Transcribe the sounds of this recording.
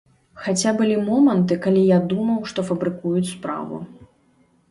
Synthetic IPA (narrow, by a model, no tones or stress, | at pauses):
xat͡sʲabɨlʲimɔmɐnt̪ɨkalʲijad̪umɐwʂt̪ɔfɐbɾɨkujut͡sʲspɾa̰vṵ